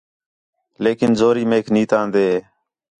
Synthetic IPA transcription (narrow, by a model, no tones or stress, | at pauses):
leːkɪnzoːɾiːmeːkʰniːt̪ãːnd̪eːɦeː